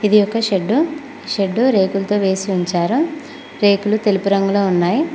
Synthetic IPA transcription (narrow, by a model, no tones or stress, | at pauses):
id̪ijɔkːɐʃeɖːu | ʃeɖːuɾe̞ːkulɐt̪o̞ːʋe̞ːsiuɲt͡ʃaːɾu | ɾe̞ːkulut̪e̞lipuɾɐŋɡulo̞ːunːaːji